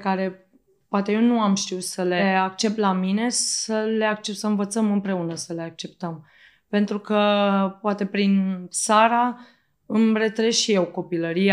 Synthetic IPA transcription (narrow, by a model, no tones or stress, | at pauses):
kaɾe̞ | poat̪e̞je̞wnuamʃt̪iut̪səle̞akt͡ʃe̞p̚t̪lamine̞səle̞ak̚t͡ʃep̪səɨnvət̪səmɨmpɾe̞unəsəle̞ak̚t͡ʃe̞p̚t̪əm | pe̞nt̪ɾukəpoat̪e̞pɾinsaɾa | ɨmɾe̞t̪ɾeʃije̞wko̞piləɾia